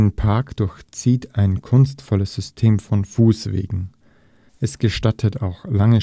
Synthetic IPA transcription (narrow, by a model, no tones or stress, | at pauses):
npʰaɐkd̥ʊɐçt͡siːtaɪnkʰʊnstfɔləsz̥ʏstʰeːmfɔnfuːsv̥ḛːɡŋ̩ | ʔɛsɡ̥əʃtatʰətʰa̰ʊxlaŋə